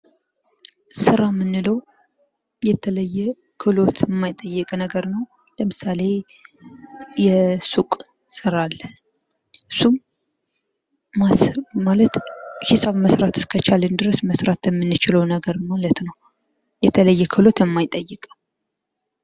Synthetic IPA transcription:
sɨɾamːɨnːɨləw | jɛt̪ʰələjːɛ | kʰɨlo̞t̪ʰmːajt̪ʼːəjːɛkʼənəɡəɾnəw | ləmɨsale̞ | jɛsukʼ | sɨɾalː | ɨsːum | amalət̪hisaβməsɾat̪ʰɨ̥skʰət͡ʃʰalɨnd̪ɨɾəsməsɾat̪ɛmːɨnːɨt͡ʃɪləwnəɡəɾmalət̪nəw | jɛt̪ʰələjːɛkʰɨlo̞t̪əmːajt̪ʼːəjːɨkʼə

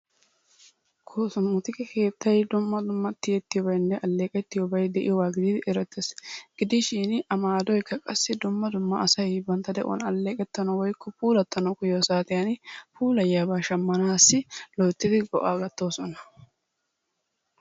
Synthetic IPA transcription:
kʰoːsʊnːʊt̪ɪkɛkʰe̞ːt̪ʰːɐjd̪ʊmːɐd̪ʊmːɐt̪ːɪjɛt̪ːɪjɔbɐjnːɛʔɐlːe̞ːkʼɛt̪ːɪjɔbɐjd̪ɛʔɪ̰jɔwaːɡɪd̪iːd̪ɪʔɛɾɛt̪ːesɡ̥ɪd̪ɪʃiːnʔɐmaːd̪ɔjkːɐkʼɐsːɪd̪ʊmːɐd̪ʊmːɐɐsɐjbɐnt̪ːɐd̪ɛʔɔ̰nɐlːe̞ːkʼɛt̪ːɐnɐwɔjkʰːɔpuːlɐt̪ːɐnɔkʊjoːsaːt̪ɪjanpuːlɐjːaːbaːʃɐmːɐnaːsːɪlɔjt̪ːɪd̪ɪɡɔ̰ʔaːɡɐt̪ːo̞ːsɔnɐ

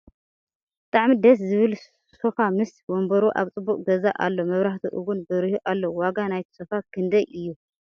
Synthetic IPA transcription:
bɨt̪ʼaʕmid̪ɐs̬zɨβɨl | sofamɨswombɐɾuʔa̰βt͡sʼɨbːukʼɡɐza̰ʔa̰lːomɐβɾaht̪ʰiʔɨɡunbɨɾihuʔalːowaɡanajt̪ʰi̥sofakʰɨnd̪ɐjʔɨjːu

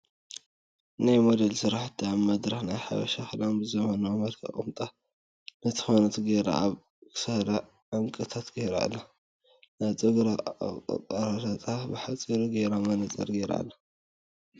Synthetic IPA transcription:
najmod̪ɐlsɨɾaħt̪ʰːiaβmɐd̪ɾɐxnajħa̰βɐʃaxɨlanbɨzɐmɐnamɐlkʰɐ̰χʼɨ̰mt̪ʼa | nɨt̪ʰɨ̥xonɐt̪ɡejɾa̰aβ | kɨ̥sɐɾɐ | ʕaŋkʼɨt̪ʰat̪ɡejɾa̰lːa | najt͡sʼɨɡɾa̰tʼaɾat̪ʰat̪ʼabɨħat͡sʼiɾuɡejɾamɐnɐt͡sʼɐ̰ɾɡejɾa̰lːa

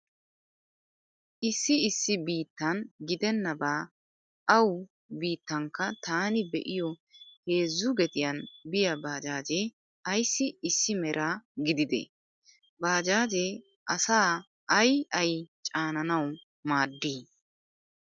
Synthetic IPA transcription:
ʔɪsːɪɪsːɪbiːt̪ːɐnɡɪd̪ɛnːɐbaː | ʔɐw | biːt̪ːɐŋkːɐt̪aːnɪbɛ̰ʔɪjɔhe̞ːzːʊɡɛt̪ɪjɐnbɪjɐbaːd͡ʒaːd͡ʒe | ɐjsːɪɪsːɪmɛɾʔaːɡɪd̪ɪd̪ɛ̰ | baːd͡ʒaːd͡ʒeː | ʔɐsaː | ɐjɐjt͡ʃʼaːnɐnɐw | maːd̪ːiː

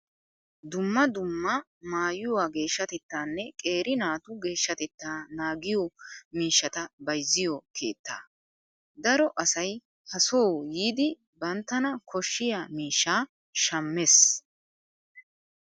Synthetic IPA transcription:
d̪ʊmːɐd̪ʊmːɐ | maːjʊwaːɡe̞ːʃːɐt̪ɛt̪ːaːnːɛkʼe̞ːɾɪnaːt̪ʊɡe̞ːʃːɐt̪ɛt̪ːaːnaːɡɪjɔmiːʃːɐt̪ɐbɐjzːɪjɔkʰeːt̪ːa̰ː | d̪ɐɾɔʔɐsɐj | hɐsoːjiːd̪ɪ | bɐnt̪ːɐnɐkʰɔʃːɪjaːmiːʃːaː | ʃɐmːes

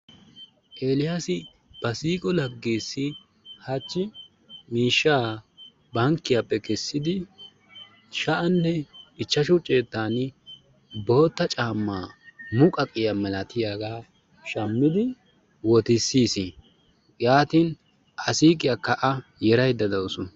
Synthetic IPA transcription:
ʔe̞ːlɪjasɪ | b̥ɐsiːkʼɔlɐɡːeːsːɪ | hɐt͡ʃːɪ | miːʃːaː | bɐŋkːɪjaːpːɛkɛsːɪd̪ɪ | ʃɐʔɐnːɛɪt͡ʃːɐʃʊt͡ʃʼːeːt̪ːaːnɪ | bo̞ːt̪ːɐt͡ʃʼaːmːaːmʊkʼɐkʼɪjɐmɛlɐt̪ɪjaːɡaː | ʃɐmːɪd̪ɪ | wɔt̪ɪsːiːsɪ | jaːt̪in | ʔɐsiːkʼɪjakːɐʔɐjɛɾɐjd̪ːɐd̪ɐwsʊ

